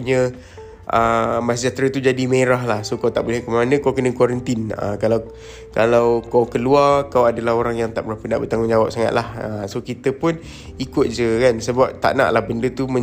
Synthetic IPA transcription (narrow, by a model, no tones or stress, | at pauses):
ɲə | ʔəmasəd͡ʒat̪ɾat̪ud͡ʒadimeɾaɦlahsokawt̪a̰ʔbolɛhkəmanə̃kawkənəkwaɾənt̪ɪnə̰kalaw | kalawkawkəluarkawadalaɦoɾaŋjaŋt̪a̰ʔbəɾapəndaʔbət̪aŋɡʊŋɲd͡ʒawap̚saŋa̰t̪̚lahəsokit̪əpʊn | ikʊt̪̚d͡ʒəkansəbap̚t̪a̰ʔna̰ʔlahbəndət̪umə̃